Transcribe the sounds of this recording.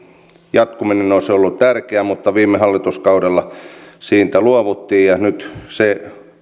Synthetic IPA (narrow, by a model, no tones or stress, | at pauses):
jɑt̪kuminenosolːutt̪ærkeæmut̪ːɑʋiːmːehɑlːit̪uskɑudelːɑsiːnt̪æluoʋut̪ːiːjjɑnyt̪se